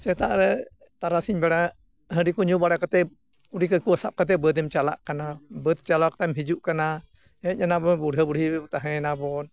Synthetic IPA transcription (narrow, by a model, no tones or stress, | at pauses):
sɛt̪a̰ʔɾɛ | t̪aɾasiɲbɛɽa | ɦəɾikɔɲubaɽakat̪ɛ | uɽikəkuəsap̚kət̪̬ɛbəd̪ɛmt͡ʃala̰ʔkanabət̪̚t͡ʃalakt̪amɦid͡ʒuʔkana | ɛɲanabɔnbuɽʱəbuɽʱibɛbut̪aɦɛ̃nabɔn